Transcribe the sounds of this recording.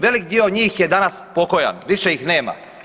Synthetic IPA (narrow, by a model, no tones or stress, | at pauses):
ʋe̞lik̚d̪ioɲiːxjed̪anaspo̞ko̞ja̰nʋiʃeixne̞ːma̰